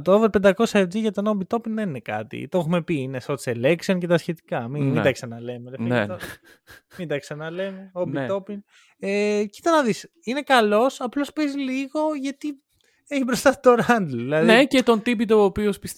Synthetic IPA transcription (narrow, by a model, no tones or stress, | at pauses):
t̪ooveɾpend̪ɐko̞sɐed͡ziʝɐt̪onombit̪o̞pinðe̞ninekɐ̰t̪ḭt̪o̞xume̞piineso̞seleksionce̞t̪ɐsçe̞t̪i̥kɐmimind̪ɐksɐnɐle̞meleft̪o | mind̪ɐksɐnɐlemeobio̞pin | ecit̪ɐnɐðis | ine̞kɐlo̞sɐplo̞spezliɣo̞ʝɐt̪i | eçipɾost̪ɐt̪oɾɐnd̪lðilɐðnecet̪o̞nt̪ip̬it̪oːpiospis